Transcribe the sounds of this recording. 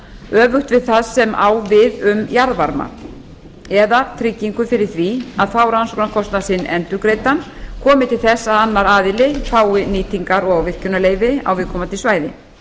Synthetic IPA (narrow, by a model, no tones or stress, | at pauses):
œːvʏxt̪vɪðθaðsɛmʔa̰ːwvɪðʏmjaɾðvaɾma̰ | ɛðat̪ʰɾɪcːiŋkʏfɪɾɪɾ̥θviaðθawɾansɔknakʰɔst̪nasɪnːɛnt̪ʏɾkɾeːjt̪ankʰɔːmɪt̪ʰɪlθɛsːaanːaɾaːðɪlɪfaːwɪniːt̪iŋkaɾɔɣawvɪr̥cʏnaleːjvɪa̰wvɪðkʰɔːmat̪ʰɪlsvaːjðɪ̰